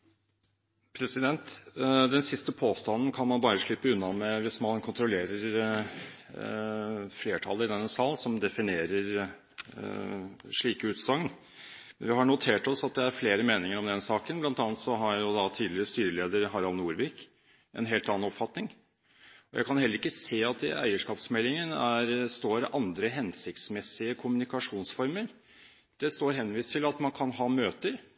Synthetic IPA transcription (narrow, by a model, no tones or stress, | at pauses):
pʰɾɛsɪd̪ɛnt̪d̪ɛnsɪst̪əpʰoːst̪ɑnːn̩kʰɑnmɑnbɑːɾəʂɭɪpːəʉnːɑmɛʋɪsmɑnkʰʊnt̪ɾʊleːɾəɾ | fleːʈʰɑləɾɪd̪ɛnːəsɑːlsɔmd̪ɛfɪneːɾəɾ | ʂɭiːkəʉːt̪sɑŋn | mɛnʋɪɦɑɳʊt̪ʰeːʈɔsɑt̪̚d̪ɛæɾfleːɾəmeːnɪŋəɾɔmd̪ɛnsɑːkənblɑnt̪ɑːnt̪sɔɦɑɾjʊd̪ɑt̪ʰiːd̪lɪɾəst̪yːɾəleːd̪əɾɦɑɾɑlnuːɾʋiːk | ʔɛ̰nɦeːlt̪ɑnːɑnɔpfɑt̪nɪŋ | ɔjʔæ̰ɪkʰɑnhɛlːəɾɪkːəseːɑt̪ɪ̰æ̰ɪəʂkɑːpsmɛlːɪŋənæɾst̪oːɾʔɑnd̪ɾəɦɛnsɪkt̪smɛsːɪəkʰʊmʉnɪkɑʂuːnsfɔɾməɾ | d̪̥ɛst̪oːɾɦɛnʋiːst̪ʰɪlɑt̪mɑnkʰɑnɦɑːmøːt̪əɾ